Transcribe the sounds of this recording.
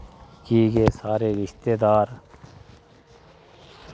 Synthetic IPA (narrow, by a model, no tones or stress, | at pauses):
kiːɡesaːɾeːɾɪʃt̪eːd̪aːɾ